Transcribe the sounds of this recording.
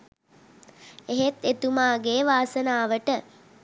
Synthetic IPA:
eɦet̪et̪umaːɡeːʋaːsənaːʋəʈə

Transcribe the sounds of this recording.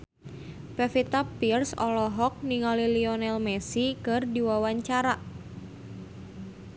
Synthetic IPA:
pɛfit̪apirsɔ̰lɔɦɔk̚niŋaliliɔnɛlmɛsikɨrdiwawaɲt͡ʃaɾa

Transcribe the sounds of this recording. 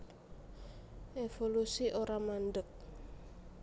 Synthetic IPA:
ʔefolusiʔoɾamanɖək̚

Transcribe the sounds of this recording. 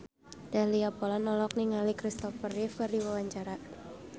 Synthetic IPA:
d̥ahliapɔlanɔlɔk̚niŋalikɾist̪ɔfərifkaɾiwawaɲt͡ʃaɾa

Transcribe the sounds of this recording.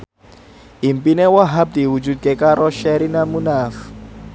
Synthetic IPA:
im̩pʼinɛwaɦab̚d̪iwud͡ʒud̚kʼɛkʼaɾɔʃɛɾinamunaːfu̥

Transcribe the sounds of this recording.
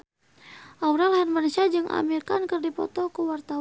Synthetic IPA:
ʔawɾalɦanmanusiad͡ʒɨŋʔa̰mirkankərdipɔ̰t̪ɔkuwart̪a

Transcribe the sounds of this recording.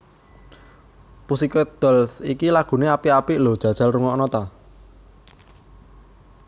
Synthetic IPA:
pusikɔd̪̥ɔ̤lsikilaɡ̥ṳneapiapiʔlo̤d̥ʒ̥a̤̥ʒ̥a̤lruŋɔʔnɔt̪a

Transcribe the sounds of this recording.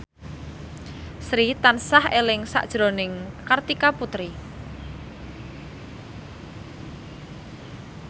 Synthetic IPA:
sɾit̪ansahelɪŋsa̰ʔd̥ʒ̥ɾonɪŋkart̪ikaput̪ɾi

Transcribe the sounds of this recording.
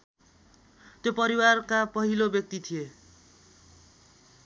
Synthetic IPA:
t̪jopʌɾiwarkapʌɦilobjʌk̚t̪it̪ʰije

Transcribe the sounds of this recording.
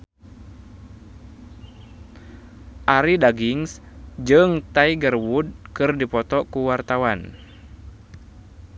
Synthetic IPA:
ʔaɾidaɡiŋs | d͡ʒɨŋt̪aiɡərwud̚kɨrdipɔt̪ɔkuwart̪awan

